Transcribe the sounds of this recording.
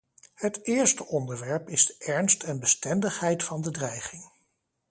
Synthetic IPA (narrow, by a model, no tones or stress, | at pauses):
hətɪːɹstəʔɔndəɹʋɛɹpɪz̥dəʔɛɹnstɛnbəstɛndəχɦɛjtfɑndədrɛjχɪŋ